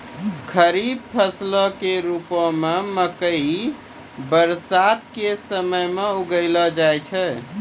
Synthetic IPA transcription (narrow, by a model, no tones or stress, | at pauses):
kʰəɾib̚pʰəsləkeɾupəmeməkəi | bəɾsat̪̚kesəməjmeuɡələd͡ʒajt͡ʃʰɛ